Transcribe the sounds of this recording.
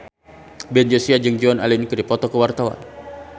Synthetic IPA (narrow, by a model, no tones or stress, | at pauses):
bɛnd͡ʒosiad͡ʒɨŋd͡ʒɔna̰linkədipɔt̪ɔkəwart̪awa̰n